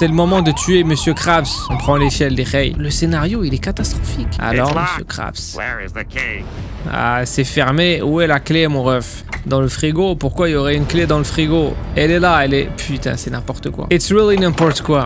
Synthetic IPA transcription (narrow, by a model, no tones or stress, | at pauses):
sɛləmɔmɑ̃d̪ət̪ʰyeməsjøkχapsɔ̃pχɑ̃leʃɛld̪eʁɛjləsenaʁjoilɛkat̪ast̪χɔfika̰lɔʁməsjø̰kχa̰ps | a̰sɛfɛʁmeuɛlaklemɔ̃ʁɛf | d̪ɑ̃ləfχiɡopuʁkwailɔʁɛynkled̪ɑ̃ləfχiɡoɛlɛlaɛlɛpyt̪ɛ̰̃sɛnɛ̃pɔʁt̪əkwa̰it̪sʁilinɛ̃pɔʁt̪əkwa